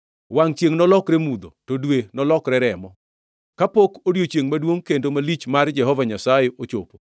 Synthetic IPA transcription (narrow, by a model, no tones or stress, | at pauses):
waŋt͡ʃjeŋnɔlɔkɾemud̪o̰todwenɔlɔkɾɛɾɛmɔ | kapokodjot͡ʃjeŋmadwoŋkendomalit͡ʃmard͡ʒɛɦɔvaɲasajeʔot͡ʃopo